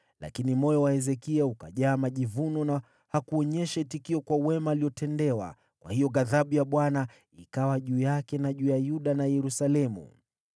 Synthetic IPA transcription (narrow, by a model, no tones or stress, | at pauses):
la̰kinimɔjɔwahɛzɛkiaukaʄaːmaʄivunɔna | hakuɔɲɛʃɛtikiɔkwawɛmaːliɔtʰɛndɛwa̰ | kwa̰hijɔɣaðaɓujaɓwana | ikawaʄuːjakɛnaʄuːjajuɗanajɛɾusalɛmṵ